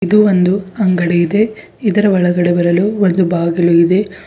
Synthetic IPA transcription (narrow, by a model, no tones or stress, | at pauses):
id̪uʋond̪uɐŋɡɐɽeid̪e̞ | id̪ɐɾɐʋɐɭɐɡɐɽebɐɾɐluʋond̪ubaːɡɐluid̪e̞